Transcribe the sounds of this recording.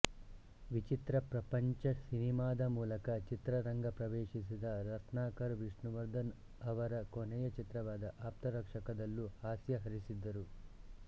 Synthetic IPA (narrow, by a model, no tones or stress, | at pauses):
ʋit͡ʃit̪ɾɐpɾɐpɐɲt͡ʃɐsinimaːd̪ɐmuːlɐkɐt͡ʃit̪ɾɐɾɐŋɡɐpɾɐʋeːʂis̬id̪ɐɾɐt̪ʰnaːkɐɾʋiʂɳuʋɐɾd̪ɐn | ɐʋɐɾɐkonɛjɐt͡ʃit̪ɾɐʋaːd̪ɐʔaːp̚t̪ɐɾɐkʂɐkɐd̪ɐlːuhaːsjɐɦɐɾisid̪ːɐɾu